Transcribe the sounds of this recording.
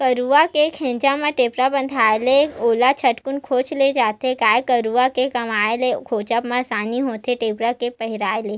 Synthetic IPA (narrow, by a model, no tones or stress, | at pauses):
kəɾuakekʰẽːnd͡ʒamãʈeːpɾabə̃nd̪ʱaːeleoːlat͡ʃʰɐʈkʊnkʰoːt͡ʃled͡ʒaːt̪ekaːekəɾuakekɐmaːelekʰoːt͡ʃəpmãsaːniɦoːt̪eʈeːpɾakepəɦɪɾaːeleː